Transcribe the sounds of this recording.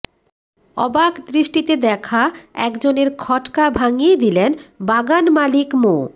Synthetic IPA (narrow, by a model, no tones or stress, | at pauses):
ɔ̰bakd̪ɾiʃʈit̪ed̪ɛkʰaɛkd͡ʑoneɾkʰɔʈkabʱaŋied̪ilenbaɡanmalikmo